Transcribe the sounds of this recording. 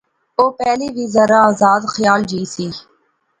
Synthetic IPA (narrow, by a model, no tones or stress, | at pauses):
oːpɛːliːʋiːzəɾaaːzaːd̪xəjaːld͡ʒiːsiː